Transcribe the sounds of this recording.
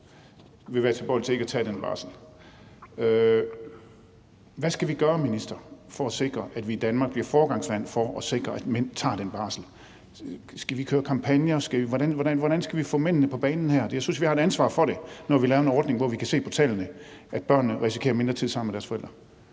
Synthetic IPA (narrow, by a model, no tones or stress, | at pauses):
ʋe̝ʋæːɐt͡sʰelb̥ɒ̰ːlt͡sʰe̝e̝ɡ̥æt͡sʰɛ̰ːd̥enb̥ɑ̰̈ːsl̩ | ø | ʋæsɡ̥æʋiɡ̥ɶːɐminisd̥ɐfɒ̽æse̝ɡ̥ʁɐʔæd̥ʋiːd̥ænmɑ̈ɡ̚b̥liɐfɒːɡ̥ɑ̈ŋsʋæn̰fɒʔɒse̝ɡ̥ʁɐʔæd̥men̰t͡sʰɑ̈ːd̥enb̥ɑ̈ːsl̩ | sɡ̥æʋikʰøːɐkʰɑ̈mpʰænjɐsɡ̥æiʋɒɾænʋɒɾænʋɒɾ̥ænsɡ̥æʋifɔ̰men̰nəpʰɒ̽b̥ɛːnn̩hæɐ̰̥jɑɪsynsʋihɑ̈eɾænsʋɑ̰̈fɒ̽ɾe̝nɒʋilɛːʊenɒːd̥ne̝ŋʋɒʋikʰæse̝̰ːpʰɒt͡sʰɛ̰ːlɐnəʔæd̥b̥ɶɐ̰nːəʁisi̥kʰe̝̰ːɐme̝nd̥ʁɐt͡sʰið̰ˠsɑ̈m̰n̩meɾ̥æɐsfɒ̽eld̥ʁɐ